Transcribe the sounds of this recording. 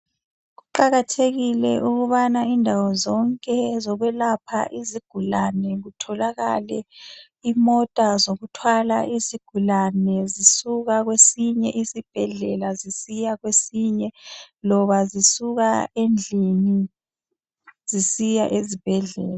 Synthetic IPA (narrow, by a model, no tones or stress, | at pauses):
ɣuǃaɣatʰeɣilɛʔuɣuβanaindʱawɔzɔŋkʼɛzɔɣɛlapʰa̰ʔiziɡ̥ʱulanɛɣutʰɔlaɣa̰lɛ̰ | imɔtʼazoɣutʰwala̰ʔiziɡ̥ʱulanɛzisuɣaɣwesiɲɛʔisib̥ʱɛɮɛlazisijaɣwesiɲɛlɔβazisuɣaend͡ɮʱini | z̥isija̰ʔezib̥ʱɛɮɛ̰ːla